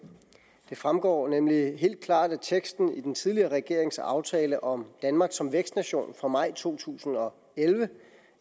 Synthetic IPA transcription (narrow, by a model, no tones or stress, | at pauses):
d̥e̝fʁamɡ̥ɒ̰ːnemliɦe̝̰ːld̥̚kʰlɑ̰̈ːd̥æt͡sʰeɡ̥sd̥n̩id̥ent͡sʰið̞ˠliɐːʁɛɡ̥e̝ɐ̰e̝ŋsɑ̈ʊt͡sʰɛːləʔɒ̽md̥ænmɑ̈ːɡ̥sɒ̽mʋeɡ̥sd̥næɕo̝̰ːnfʁɑ̈mɑ̈ɪ̰t͡sʰo̝̰ːt͡sʰṵːsn̩ɒ̽ | elʋə